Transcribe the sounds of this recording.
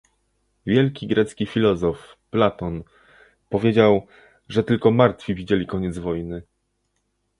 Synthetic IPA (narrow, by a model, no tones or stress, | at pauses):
vʲjɛlkʲiɡɾɛt̪skʲifʲilɔzɔfplat̪ɔn | pɔvʲjed͡ʑaw | ʐɛt̪ɘlkɔmaɾt̪fʲivʲid͡ʑelʲikɔɲɛd̪zvɔjnɘ